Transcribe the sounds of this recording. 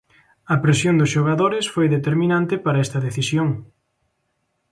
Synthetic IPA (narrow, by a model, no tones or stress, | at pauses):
ɐpɾesjoŋd̪ʊsʃoɣaðoɾɪsfojðet̪eɾmĩnãnt̪ɪpaɾɐɛst̪ɐðeθisjoŋ